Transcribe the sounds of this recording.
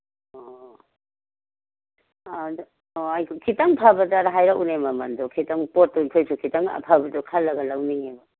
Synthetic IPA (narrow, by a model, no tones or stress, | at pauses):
o | oajkʰokʰitaŋpʰabɐdaɾaɦajɾaunemɐmɐndɔkʰitaŋpot̚tuikʰojsukʰitaŋa̰pʰabɐdɔkʰalːɐɡɐlawniŋebɐ